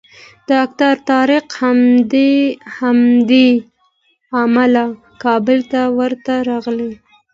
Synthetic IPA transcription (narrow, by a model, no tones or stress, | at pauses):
d̪̥əakt̪aɾt̪ɑɾɪqha | hamd̪e | amala | kɑbəlt̪awəɾt̪aɾɑɣle